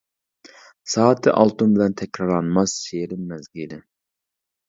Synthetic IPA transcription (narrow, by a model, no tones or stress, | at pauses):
sɑːt̪ʰɨʔɑlˠt̪unbɪlɛnt̪ʰɛkʲɾɑɾlˠɑnmɑsʃeɾɪmmɛzɡʲilɪ